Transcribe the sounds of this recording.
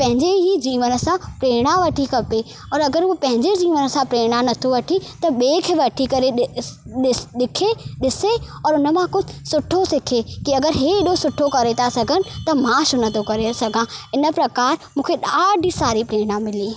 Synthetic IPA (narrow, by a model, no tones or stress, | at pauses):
pɐ̃ɦɪ̃ɲd͡ʑeɦid͡ʑiːʋənə̆sãpɾeːɽ̃aʋɐʈʰikʰɐpe | ɔːɾɐɡəɾupɐ̃ɦɪ̃ɲd͡ʑed͡ʑiːʋənə̆sãpɾeːɽ̃anɐt̪ʰoʋɐʈʰit̪ɐɓeːkʰeʋɐʈʰikɐɾeɗɪɗɪkʰeɗɪseɔːɾʊnə̆mãkʊd̪ʱɪsʊʈʰosɪkʰekiɐɡəɾɦeɪɗosʊʈʰokɐɾet̪ʰasɐɡʱənɪ̆t̪ɐmãʃʊnɐt̪ʰokɐɾesɐɡʱãɪnə̆pɾɐkaːɾmũːkʰeɗaːɖʱisaːɾipɾeːɽ̃ãmɪliː